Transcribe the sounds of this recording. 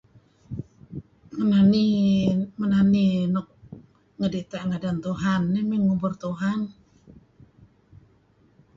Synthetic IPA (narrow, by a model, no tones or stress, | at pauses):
ŋənani | mənaninɔk̚ | ŋədet̪aʔŋadant̪uɦanːɛmiŋubʊrt̪uɦan